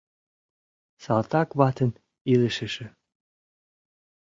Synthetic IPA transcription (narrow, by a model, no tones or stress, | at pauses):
sɑlt̪ɑkβɑt̪ə̆n | iləʃə̆ʃĕ